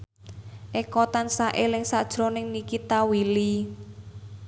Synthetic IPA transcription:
ʔekɔt̪ansaʔelɪŋsad̥ʒ̥ɾɔnɪŋnikit̪awili

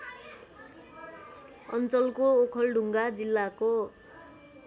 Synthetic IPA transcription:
ʌnt͡sʌlkookʰʌlɖʱuŋɡad͡zilːako

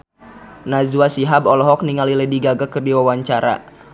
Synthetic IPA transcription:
nazuwasiɦabɔlɔɦɔk̚niŋalilədiɡaɡakərdiwawaɲt͡ʃaɾa̰

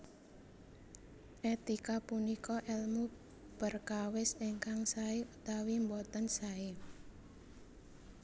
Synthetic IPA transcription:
ʔɛt̪ikapunikɔʔɛlmu | b̥ərkawɪseŋkaŋsaeut̪awimbɔt̪ənsae

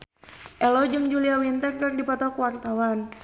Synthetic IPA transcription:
ʔɛlɔd͡ʒɨŋd͡ʒuliawint̪ərkərdipɔt̪ɔkəwart̪awan

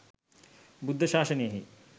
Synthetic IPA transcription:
bud̪ʱːɐʃaːʃɐnijɐɦḭ

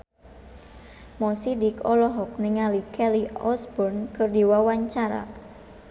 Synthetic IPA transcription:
mɔsidikɔlɔɦɔk̚niŋalikʰɛliɔsbɔrnkərdiwawaɲt͡ʃaɾa̰

